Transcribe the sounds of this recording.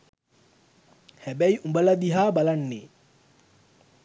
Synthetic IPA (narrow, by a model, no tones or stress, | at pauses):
hɛbɛjumbalad̪iɦabalanːɪ